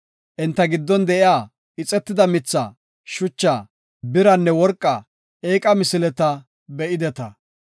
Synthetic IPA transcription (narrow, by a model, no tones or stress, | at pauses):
ʔɛnt̪ːɐɡɪd̪ːɔnd̪ɛʔɪjaː | ɪt͡sʼɛt̪ːɪd̪ɐmɪt͡sːa | ʃʊt͡ʃːaː | bɪɾɐnːɛwɔɾkʼːɐ | ʔeːkʼɐmɪsɪlɛt̪ɐ | bɛʔɪd̪ɛt̪ɐ